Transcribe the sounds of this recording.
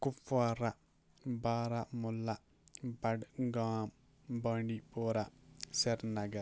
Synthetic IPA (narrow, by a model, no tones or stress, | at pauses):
kufaɾa | baːɾamulːa | bɐɖɡaːm | baɳɖipoːɾaseɾnɐɡɐɾ